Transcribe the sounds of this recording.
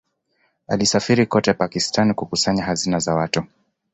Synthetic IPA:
alisafiɾikɔtɛpakistanikukusaɲahazinazawatu

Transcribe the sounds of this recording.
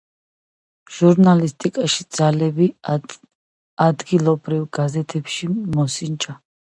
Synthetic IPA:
ʒ̥uɾnalist̪ʼikʼaʃid̪zalɛbi | ad̪ɡilˠɔbɾiwɡazɛt̪ʰɛpʃimɔsint͡ʃʼa

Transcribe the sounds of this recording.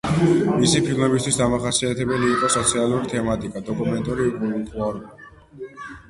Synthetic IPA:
misipʰilˠmɛbis̬t̪ʰwisd̪amaχasiat̪ʰɛbɛliːqʼɔsɔt̪sʰialˠuɾit̪ʰɛmat̪ʼikʼad̪ɔkʼumɛnt̪ʼuɾit̪ʰʼuaɾa

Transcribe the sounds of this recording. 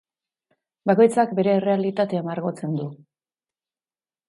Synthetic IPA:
bako̞jt͡sakbe̞ɾe̞ːre̞alit̪at̪e̞amaɾɣo̞t͡se̞nd̪u

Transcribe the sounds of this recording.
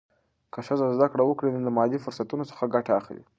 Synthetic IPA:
kəʂəzazd̪akɽawəkɽened̪əmɑd̪ifʊɾsat̪unosə̥xaɡaʈaːxlḭ

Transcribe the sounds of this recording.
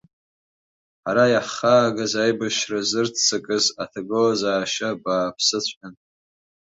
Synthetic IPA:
aɾajaχaːɡazajbaʃrazɨrtʰt͡sʰɨkʼɨzatʰaɡɨlazaːʃabaːpʰsɨt͡ɕʷʰʼħan

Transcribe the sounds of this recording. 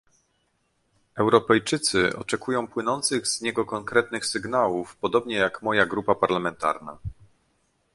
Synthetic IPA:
ɛwɾɔpɛjt͡ʂɘt̪sɘʔɔ̰t͡ʂɛkujɔ̃w̃pwɘnɔnt̪sɘɣz̥ɲɛɡɔkɔŋkɾɛt̪nɘxsɘɡn̪awufpɔd̪ɔbɲɛjakmɔjaɡɾupapaɾlamɛnt̪a̰ɾna̰

